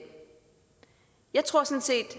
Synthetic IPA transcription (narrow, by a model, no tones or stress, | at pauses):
jɑ̈ɪt͡sʰʁo̝ɐ̰sɔ̽nse̝̰ːd̥